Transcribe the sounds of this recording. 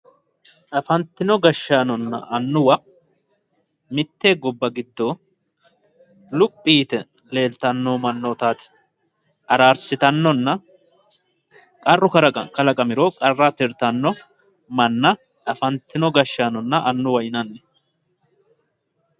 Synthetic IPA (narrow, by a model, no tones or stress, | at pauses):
ʔɐfɐnt̪ːɪnɔɡɐʃːaːnɔnːɐ̰ʔɐnːʊwɐ | mɪt̪ːeːɡɔbːɐɡɪd̪ːoː | lʊpʼːiːt̪ɛ | le̞ːlt̪ɐnːoːmɐnːot̪aːt̪ɪ̥ | ʔɐɾaːɾsɪt̪ɐnːɔnːɐ | kʼɐrːʊkɐkɐlɐkʼɐmɪɾoːkʼɐrːɐt̪ɪɾt̪ɐnːɔ | mɐnːɐ | ɐfɐnt̪ːɪnɔɡɐʃːaːnɔnːɐʔɐnːʊwɐɪnɐnːɛ